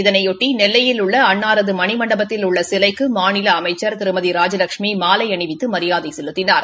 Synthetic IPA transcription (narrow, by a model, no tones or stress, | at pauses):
ɪðɐnɐɪɔʈːinɛlːɐjɪlʊɭːɐɐɳːaːɾɐðɯmɐɳɪmɐɳɖɐbɐt̪ːɪlʊɭːɐsɪlɐɪkːɯmaːnɪlɐːmɐɪt͡ʃːɐɾt̪ɪɾɯmɐðiɾaːd͡ʒɐlɐkʂmimaːlɐɪɐɳɪʋɪt̪ːɯmɐɾɪjaːðɐɪsɛlːɯt̪ːɪnaːɾ